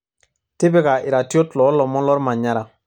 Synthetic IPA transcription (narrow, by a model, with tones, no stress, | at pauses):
tɪ˦bɪ˦ka˨ʔɪ˨ɾa˨ti˦ɔ˦tlɔ˨˦lɔ˨mɔ˦lɔ˦ɾma˨ɲa˦ɾa˨